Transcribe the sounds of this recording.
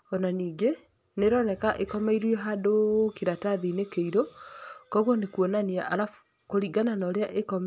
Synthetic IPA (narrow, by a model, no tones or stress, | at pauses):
ɔnaniːŋɡe | neɾɔnɛkaʔekɔmɛiɾijɔɦadokeɾataðinekeiɾokɔɣɔnekwɔnaniaʔaɾa | koɾiɡananɔɾeaʔekɔm